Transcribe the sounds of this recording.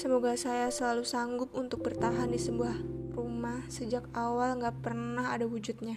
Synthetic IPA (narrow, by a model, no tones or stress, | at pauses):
səmoɡasajasəlalusaŋɡʊp̚unt̪ʊk̚bərt̪aɦandisəbuahrumahsəd͡ʒak̚awalŋɡapərnaɦadawud͡ʒʊt̪̚ɲa